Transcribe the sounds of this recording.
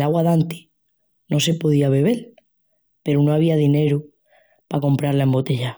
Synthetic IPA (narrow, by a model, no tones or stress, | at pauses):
laɣwaðant̪i̥ | no̞se̞po̞ðiaβe̞β̞e̞l | pe̞ɾuno̞aβ̞iaðine̞ɾu | pako̞mpɾaɾlae̞mbo̞t̪e̞ʝa